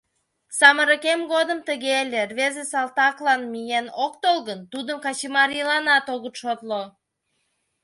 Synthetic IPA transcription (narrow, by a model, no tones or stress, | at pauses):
sɑməɾə̆kemɡod̪ə̆mt̪əɣelʲerβezesɑlt̪ɑklˠɑnmijenok̚t̪olˠɣənt̪ud̪əmkɑt͡ɕimɑɾjəlɑnɑt̪oɣət̪ʃot̪lo